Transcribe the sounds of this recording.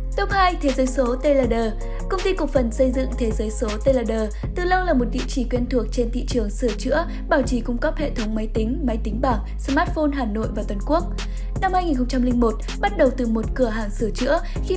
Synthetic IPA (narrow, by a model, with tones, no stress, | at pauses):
t̪ə˨˦˥ŋ͡mhaː˧jt̪ʰe˨˦zəː˨˦jso˨˦t̪e˧ləː˨˩ɗəː˨˩ | kə˧wŋ͡mt̪i˧kʊ˨˩k̚fə˨˩nsə˧jzɨ̰˧˨ŋt̪ʰe˨˦zəː˨˦jso˨˦t̪e˧laː˨˩ɗəː˨˩ | t̪ɨ˨˩lə˧wlaː˨˩mo˨˩t̚ɗḭ˧˨t͡ɕi˧˩kwi˧ənt̪ʰu˨˩ək̚t͡ɕe˧nt̪ʰḭ˧˨t͡ɕɨ˨˩əŋsɨ˧˩ət͡ɕɨ̰˧˥ə | ɓaː˧˩wt͡ɕi˨˦kʊ˧wŋ͡mkə˦˥p̚hḛ˧˨t̪ʰə˨˦wŋ͡mmə˨˦jt̪ï˨˦ŋ̟ma˨˦jt̪ï˨˦ŋ̟ɓaː˧˩ŋ | smaː˦˥t̚fo˧nɦaː˨˩no̰˧˨jvaː˨˩t̪wə˨˩nku˦˥ək̚ | na˧mhaː˧jŋi˨˩nxə˧wŋ͡mt͡ɕa˧mlï˧ŋ̟mo˨˩t̚ | ɓa˦˥t̚ɗə˨˩wt̪ɨ˨˩mo˨˩t̚kɨ˧˩əɦaː˨˩ŋsɨ˧˩ət͡ɕɨ̰˧˥ə | xi˧